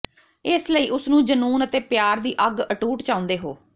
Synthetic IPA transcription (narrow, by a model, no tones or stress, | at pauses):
ɪsləiːʔʊsnũːd͡ʒənuːnət̪eːpjaːɾd̪iːʔəɡəʈuːʈt͡ʃãːʊ̃nd̪eːɦoː